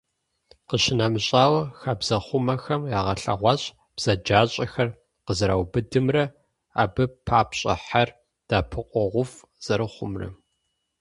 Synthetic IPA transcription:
qəɕɪnɐmɕʼaːwɐxaːbz̥ɐχʷʊmɐxɐmjaːʁɐɬɐ̰ʁʷɑɕʼ | b̥z̥ɐd͡ʒaːɕʼɐxɐr | qəzɨɾawbɨdɨmrɐ | a̰ːbɨpʰaːpɕʼɐ̰ħar | d̥aːpʰɨqʷʼɔʁʷʊf | z̥ɐɾɨχʷʊ̰mrɐ̰

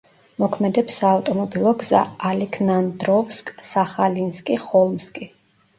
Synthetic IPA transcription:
mɔkʰmɛd̪ɛpsaːvt̪ʼɔmɔbilˠɔɡz̥a̰alikʰnand̪ɾɔvskʼsaχalinskʼiχɔlˠmskʼi

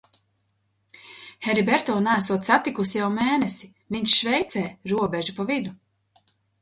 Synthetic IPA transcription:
hɛɾibɛɾt̪ɔːnaːs̬uɔt̪sat̪ikusjawmɛːnesi | viɲt͡ʃʃvɛjt̪sɛːɾuɔbʲɛʒupavid̪u

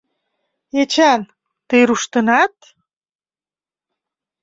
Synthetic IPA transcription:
et͡ɕæn | t̪ejɾuʃt̪ə̆nɑt̪̚

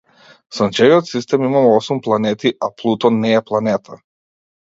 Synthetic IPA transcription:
sɔnt͡ʃɛviɔt̪sist̪ɛmimamɛɔsumplˠanɛt̪iʔaplˠut̪ɔnɛːplˠanɛt̪ʰa

